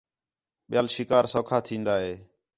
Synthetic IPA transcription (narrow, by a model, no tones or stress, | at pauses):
ɓɪjaːlʃɪkaːɾsoːkʰaːt̪ʰĩːnd̪aːɦeː